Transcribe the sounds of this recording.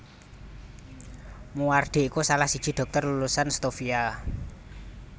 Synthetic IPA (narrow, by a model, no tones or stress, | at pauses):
muarɖ̪̥e̤ikusalahsid̥ʒ̥i̤ɖ̪̥ɔ̤k̚t̪ɔrlulusanst̪ofia